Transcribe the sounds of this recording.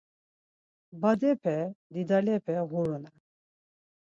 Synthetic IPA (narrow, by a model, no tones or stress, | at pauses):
bad̪ɛpʰɛd̪id̪alɛpʰɛɣuɾuna